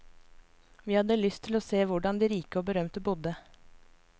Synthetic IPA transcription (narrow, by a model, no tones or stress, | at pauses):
ʋiːhɑd̪əlʏst̪ʰɪloːseːʋʊɖɑnd̪iːɾiːkəoːbəɾœmt̪əbuːd̪ə